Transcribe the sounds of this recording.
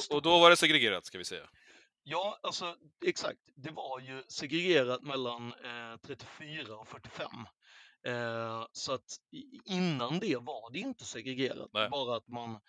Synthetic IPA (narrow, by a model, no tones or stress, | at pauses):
ɔd̪ɔvaɖɛsɛɡɾɛɡeːɾa̰t̪skavɪsɛ̰jːa̰ | jɑːalsɔ | ɛksa̰k̚t̪d̪ɛvaɾjɵsɛɡɾɛɡeːɾat̪mɛlːant̪ʰɾɛt̪ːɪfyːɾaɔkfœʈːɪfɛ̰mː | sɔat̪ɪnːand̪ɛvaɖɛɪnt̪əsɛɡɾɛɡeːɾa̰t̪̚bɑːɾaːt̪man